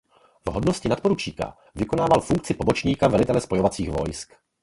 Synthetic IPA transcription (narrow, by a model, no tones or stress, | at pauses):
vɦodnoscɪnat̪po̞ɾut͡ʃiːka̰ | vɪko̞naːvalfuŋk̚t͡sɪpo̞bot͡ʃɲiːkavɛlɪt̪ɛlɛspo̞jo̞vat͡siːxvo̞̰jsk